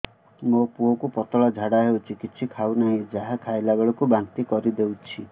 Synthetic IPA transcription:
mopuɦɔkupɔt̪ɔɭɔd͡ʒʱaɽaɦewt͡ʃʰikit͡ʃʰikʰawnaɦĩd͡ʒaɦakʰajlabeɭɔkubaŋt̪ikɔɾid̪ewt͡ʃʰi

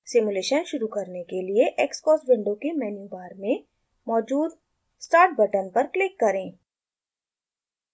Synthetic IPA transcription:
sɪmuleːʃənʃʊɾukɐɾnekelieʔɛːkskɔːsbɪ̃ɳɖõkemɛːnjuːbaːɾmẽ | mɔːd͡ʒuːd̪ | sʈaːɾʈ̚bɐʈənpɐɾklɪkːɐɾẽː

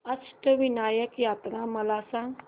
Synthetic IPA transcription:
ɐsʈəʋinaːjəkjaːt̪ɾãmɐlaːsãŋ

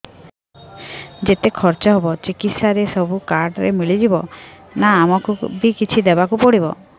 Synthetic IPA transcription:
d͡ʒet̪ekʰɔɾt͡ʃɔɦebɔt͡ʃikit̪saɾesɔbukaɾɖɾḛmiɭid͡ʒibɔ | naːmɔkubikit͡ʃʰid̪ebakupɔɽibɔ

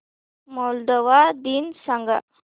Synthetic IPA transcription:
mold̪oʋaːd̪iːnsɐŋɡɐ

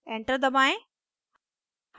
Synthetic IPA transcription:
ẽːɳʈəɾd̪ɐmaːẽ | h

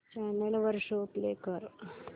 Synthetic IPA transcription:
t͡ɕaːnelʋɐɾʂoːpleːkɐɾ

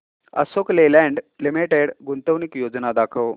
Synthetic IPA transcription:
ə̰soklelɛɳɖlimiʈeɽɡunt̪əʋnikjod͡znad̪akʰəʋ

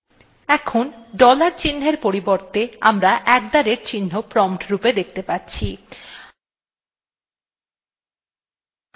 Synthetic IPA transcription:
ɛkʰonɖɔlaɾt͡ɕinːeɾpoɾiboɾt̪ea̰mɾaʔɛk̚d̪aɾeɾt͡ɕinːopɾɔmʈɾuped̪ek̚ʰt̪epatːɕʰi

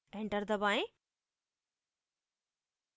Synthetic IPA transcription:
ẽɳʈəɾd̪əbaːẽ

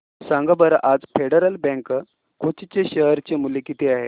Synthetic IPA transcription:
sãŋɡəbəɾəʔad͡zfeɽəɾəlbɛ̃ŋkə | kʰot͡ɕit͡ɕeɕəɦəɾt͡ɕemulekit̪eaɦe

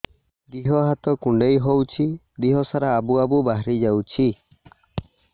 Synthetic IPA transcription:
d̪iɦɔɦat̪ɔkuɳɖejɦowt͡ʃʰi | d̪iɦɔsaɾaːbuabubaɦɾid͡ʒawt͡ʃʰi

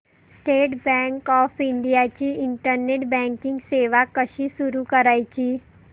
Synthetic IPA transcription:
sʈeːʈbɛ̃ːŋkɔːpɪ̃ɳɖijat͡ɕiɪ̃ɳʈəɾneʈbɛ̃ːŋkɪ̃ŋɡseːʋakəʃisʊɾukəɾaːit͡ɕiː

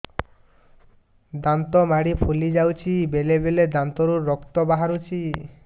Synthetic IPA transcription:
d̪ant̪ɔmaɽipʰulid͡ʒawt͡ʃʰibelebeled̪ant̪ɔɾuɾɔkt̪ɔbaɦaɾut͡ʃʰi

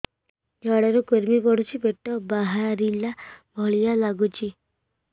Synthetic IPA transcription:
d͡ʒaɽaɾukuɾmipɔɽ̤ut͡ʃʰibeʈɔbaɦaɾilabʱɔɭijalaɡut͡ʃʰi

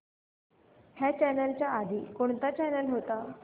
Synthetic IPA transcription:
hjat͡ɕɛnəlt͡ɕjaːd̪ʱikoɳ̃t̪at͡ɕɛnəlɦot̪a

